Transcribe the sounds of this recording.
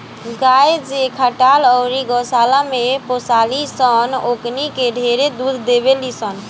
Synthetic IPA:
ɡajed͡ʒekʰəʈalɔʊɾiɡɔsalameposalisənoknikeɖʱeɾed̪ud̪ʱːeβelisən

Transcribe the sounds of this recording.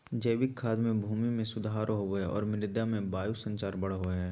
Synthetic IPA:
d͡ʒəjʋɪkʰːaːd̪mẽbʱuːmimẽsʊd̪aːɾɦoɛɔ̰ːɾmɪɾɪd̪amẽbaːjusə̃ɲt͡ʃaːɾbɐɽ̤ɦoɦɛː

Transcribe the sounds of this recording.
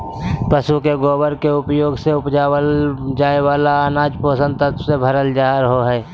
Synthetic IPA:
pəsukeɡoːbəɾkeʊpjoːɡseʊpd͡ʒaːwəld͡ʒaːewaːlaaːnaːd͡ʒpoːsə̃nd̪t̪ət̪sebʱəɾəld͡ʒaːɦəɾɦoɦɛː

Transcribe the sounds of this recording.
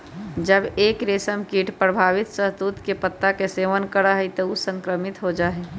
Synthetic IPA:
d͡ʒəbeːkɾeːsəmkiːʈʰpɾəbʱaːʋɪt̪səɦt̪uːt̪kepət̪ːakeseːʋənkəɾaɦit̪əusə̃ŋkɾəmɪt̪ɦod͡ʒaːɦɛ

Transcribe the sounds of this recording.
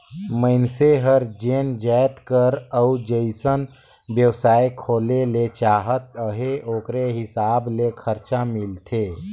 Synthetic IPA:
məɪnseɦəɾd͡ʒeːnd͡ʒɛːt̪kəɾəud͡ʒəɪsən | bjəwsaːekʰoːlelet͡ʃaːɦət̪əɦeʔoːkɾeɦɪsaːblekʰəɾt͡ʃamɪlt̪ʰeː

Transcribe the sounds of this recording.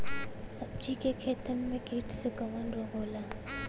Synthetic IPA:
sɐb̚d͡ʒikekʰeːt̪ənmẽkiːʈseɡɐʋənɾoɡʱoːlaː

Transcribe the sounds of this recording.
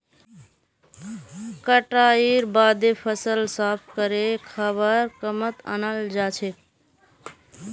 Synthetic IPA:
kəʈaiɾbad̪epʰəsəlsapʰkəɾekʰəβəɾkəmət̪ə̰nəld͡ʒat͡ʃʰe

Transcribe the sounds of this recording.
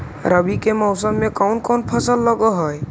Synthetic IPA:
ɾəbikemɔwsɔmːekawnkɔnpʰɔsəlːɔɡɔɦɔj

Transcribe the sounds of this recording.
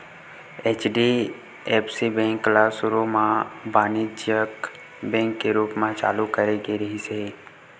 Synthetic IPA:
eːt͡ʃɖi | epsibɛ̃ŋklasʊɾumãbaːnid͡ʒjək | bɛ̃ːŋkːeɾuːpmãt͡ʃa̰ːlukəɾeɡeɾɐɦise

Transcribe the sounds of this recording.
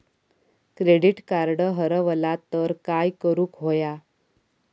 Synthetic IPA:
kɾeɽiʈkaɾɽəɦəɾəʋəlat̪əɾkajkəɾuːkɦoja

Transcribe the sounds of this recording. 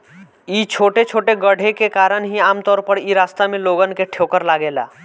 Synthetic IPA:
it͡ʃʰoʈet͡ʃʰoʈeɡəɽʱekekaɾənɦiamt̪ɔɾpəɾiɾast̪ameloɡənkeʈʰjokəɾlaɡela̰

